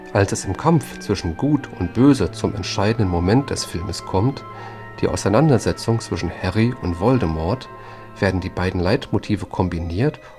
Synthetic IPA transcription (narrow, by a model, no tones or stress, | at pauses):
ʔalsɛsɪmkʰamft͡sv̥ɪʃn̩ɡuːtʊnt̚b̥øːzət͡sʊmɛ̰ntʃaɪdn̩dənmomɛnt̚d̥ɛsfɪlməskʰɔmt | d̥iːʔa̰ʊsaɪnandɐzɛt͡sʊŋt͡sv̥ɪʃn̩hɛʁiʊntv̥ɔldəmɔɐt | v̥eːɐdn̩diːbaɪdn̩laɪtmotʰiːvəkʰɔmbiniːɐt